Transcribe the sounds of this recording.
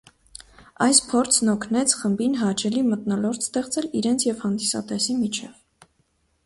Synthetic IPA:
ɑjspʰɔɾt͡sʰnɔkʰnɛt͡sʰχəmbinɦɑt͡ʃʰɛlimət̪nɔlɔɾt̪st̪ɛχt͡sɛliɾɛnt͡sʰjɛvhɑnd̪isɑ̰t̪ɛsimit͡ʃʰɛv

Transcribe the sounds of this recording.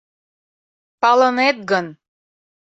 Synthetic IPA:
pɑlɤnet̪̚ɡən

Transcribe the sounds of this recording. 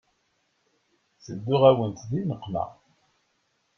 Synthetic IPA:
səd̪ːʊʁæwənt̪ðinəqːmæ̰

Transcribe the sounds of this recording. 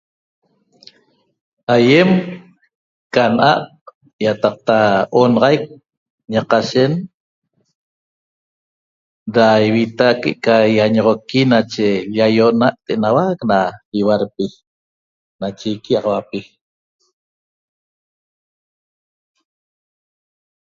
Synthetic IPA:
hajem | kanʔaq̚ | jat̪ɑq̚t̪aonɑʁɑjk̚ | ɲaqaʃen | ɾaiwit̪akḛʔkajaɲoʁokinat͡ʃejajoʔnaʔt̪enawaknaiwaɾpi | nat͡ʃejkiɑʁɑwapi

